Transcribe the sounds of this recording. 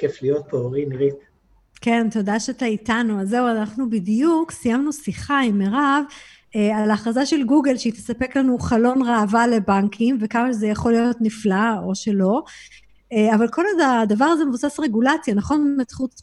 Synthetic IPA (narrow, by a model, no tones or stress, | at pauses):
keflijo̞t̪̚peoʁiniʁit | ke̞nt̪o̞daʃet̪aitanuazːe̞uanaχnubidijuksijamnusiχaimeʁav | ealaχʁazaʃe̞lɡuɡe̞lʃeit̪esape̞klanuχalo̞nʁeːvale̞baŋkʰimve̞kamaʃezejaχo̞lijo̞tniflao̞ʃe̞lo̞ | eavalko̞laadavaʁazemevusasʁe̞ɡulat͡sjanaχo̞nmet͡sχut